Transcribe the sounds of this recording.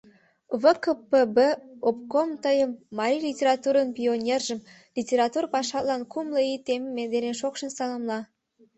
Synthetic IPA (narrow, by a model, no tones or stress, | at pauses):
βəkəpəbəopkomt̪əjəmːɑɾʲilʲitʲeɾɑt̪uɾənpionʲerʒəm | litʲeɾɑt̪urpɑʃɑt̪lɑnkumləit̪emːend̪eɾenʃokʃənsɑləmlɑ